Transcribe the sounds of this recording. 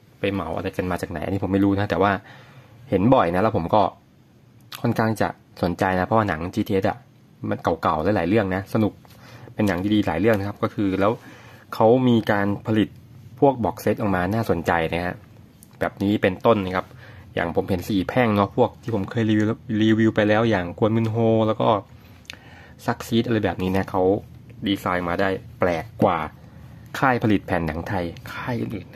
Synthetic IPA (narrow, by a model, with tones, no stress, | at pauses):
pa˧jma˩˦wʔa̰˧ɾa˧jka˧nmaː˧t͡ɕaː˨˩k̚na˩˦ʔa˧ni˦˥pʰo˩˦ma˥˩ɾuː˦˥na˦˥t̪ɛː˨˩waː˥˩he˩˦nbɔ˨˩jna˦˥lɛː˦˥wpʰo˩˦mkɔː˥˩ | kʰo˥˩nkʰaː˥˩ŋt͡ɕa̰˨˩ʔ | so˨˩˦nt͡ɕa˧jna˦˥pʰɔ˧˦waː˥˩na˩˦ŋt͡ɕiː˧t̪ʰːʔe˦˥t̪ʔa̰˨˩ | ma˧nka˨˩wka˨˩wlaː˨˦˥jlaː˩˦jɾɯ˥˩əŋna˦˥sa˧nu˨˩k̚pe˧nːa˨˩˦ŋt̪ʰiː˥˩diː˧la̰ː˩˦jɾɯ˥˩əŋna˦˥kʰa˦˥p̚kɔː˥˩kʰɯː˧lɛː˦˥wkʰa˦˥wmiː˧kaː˧npʰa˧li˨˩t̪̚pʰu˥˩ək̚bɔː˨˩k̚se˧˦˥t̪̚ʔɔː˨˩k̚maː˧naː˥˩so˨˩˦nt͡ɕa˧jna˦˥˩kʰa˦˥ | bɛː˨˩p̚niː˦˥pe˧nt̪o˥˩nːa˧kʰa˦˥p̚ja̰ː˨˩ŋpʰo˩˦mhe˩˦nsiː˨˩pʰɛ˥˩ŋnɔ˦˥pʰu˥˩ək̚t̪ʰiː˥˩pʰo˩˦mkʰɤː˧jliː˧liː˧wi˧wpa˧jlɛː˦˥wjaː˨˩ŋkʰu˧ənmɯ˧nɦoː˧lɛː˦˥wkɔ̰ː˥˩ | sa˦˥k̚siː˦˥t̪ʔa˧ɾa˧jbɛː˨˩p̚niː˦˥ni˥˩ɐ˨kʰa˦˥w | diː˧saː˧jʔmaː˧daː˥˩jplɛː˨˩kːwaː˨˩ | kʰaː˥˩jpʰa˧li˨˩t̪̚pʰɛː˨˩nːa˩˦ŋt̪ʰa˧jkʰaː˥˩jʔɯ̰ː˨˩nʔɯː˨˩n˦˥